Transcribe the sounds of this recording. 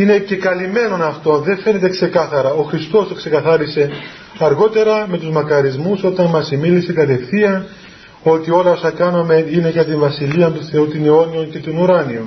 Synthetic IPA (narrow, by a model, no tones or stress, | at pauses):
ine̞ce̞kɐlime̞no̞nɐft̪o̞nðe̞fe̞ne̞t̪e̞kse̞kɐθɐɾɐo̞xɾist̪o̞st̪okse̞kɐθɐɾise̞ | ɐɾɣo̞t̪e̞ɾɐme̞t̪uzmɐkɐɾizmuso̞t̪ɐnmɐsimilise̞kɐt̪e̞fθiɐ | o̞t̪io̞lɐo̞sɐkɐnome̞ine̞ʝɐt̪̬iɱvɐsiliɐnt̪uθe̞ut̪ineo̞nio̞nce̞t̪onuɾɐnion